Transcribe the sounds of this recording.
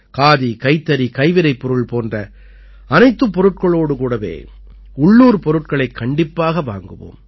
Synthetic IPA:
kaːðikɐɪt̪ːɐɾikɐɪʋɪɾɐɪpːɔɾɯɭpoːndrɐ | ɐnɐɪt̪ːɯpːɔɾɯʈ̚kɐɭoːɽɯkuːɽɐʋḛː | ʊɭːuːɾpɔɾɯʈ̚kɐɭɐɪkʰːɐɳɖɪpːaːɣɐʋa̰ːŋɡɯʋo̰ːm

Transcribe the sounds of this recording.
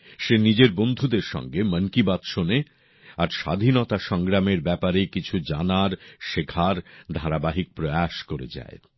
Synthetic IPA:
ʃenid͡ʑeɾbond̪ʱud̪eɾʃɔ̰ŋɡeməŋkibat̪ʃone | aɾʃa̰d̪ʱinɔt̪aʃɔŋɡɾameɾbɛpaɾekit͡ɕʰud͡ʑanaɾʃekʰaɾd̪ʱaɾabaɦik̚pɾoaʃkoɾḛd͡ʑa̰e

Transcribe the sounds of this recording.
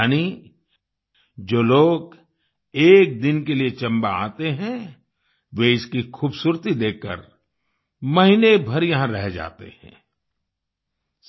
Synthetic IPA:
ani | d͡ʒoːloːɡ | eːk̚d̪ɪnkeliet͡ʃɐ̃mbaa̰ːt̪eɦɛ̃ | ʋeɪskixuːbsuːɾt̪id̪eːkːə̰ɾ | mɐɦinebʱɐɾjɐɦãɾɛɦd͡ʒa̰ːt̪ḛhɛ̰̃ː

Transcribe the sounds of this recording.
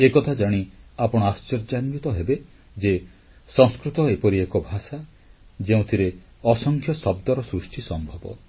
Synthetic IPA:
ekɔt̪ʰad͡ʒaɽ̃iapɔɽ̃ɔast͡ʃɔɾd͡ʒanut̪ɔɦebe | d͡ʒe | sɔ̃ŋskɾut̪ɔepɔɾiekɔbʱasa | d͡ʒeũt̪ʰiɾe | ɔsɔŋkʰjɔsɔbd̪ɔɾɔsɾusʈʰisɔmbʱɔbɔ̰

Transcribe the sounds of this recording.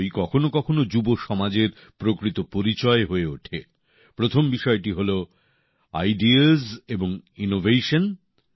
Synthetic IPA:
jkɔkʰonokɔkʰonod͡ʑuboʃɔmad͡ʑeɾ | pɾokɾit̪opoɾit͡ɕɔeɦoeuʈʰe | pɾot̪ʰombiʃɔeʈiɦolo | a̰jɖizeboŋinovʱeʃon

